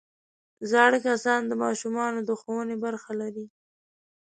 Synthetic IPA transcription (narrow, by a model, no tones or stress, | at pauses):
zɑɽəkasɑnd̪əmɑʃumɑnod̪əxowənebaɾxalaɾi